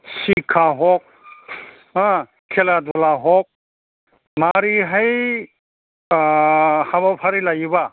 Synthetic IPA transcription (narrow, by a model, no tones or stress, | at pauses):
sikʰaɦɔk̚ | ã | kʰelad̪ɔlaɦɔk̚ | maɾiɦaj | habapʰaɾilajiba